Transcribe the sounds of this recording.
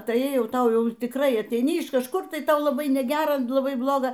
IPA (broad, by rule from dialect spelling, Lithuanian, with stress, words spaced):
ˈtɐɪ ˈjɛʊ ˈtɐʊ ˈjɛʊ tʲɪkˈrɐɪ ɐtʲɛɪˈnʲɪ ɪʃ kɐʃˈkʊr ˈtɐɪ ˈtɐʊ lˠɐˈbɐɪ nʲɛˈɡʲæːrɐ lˠɐˈbɐɪ ˈblˠoːɡɐ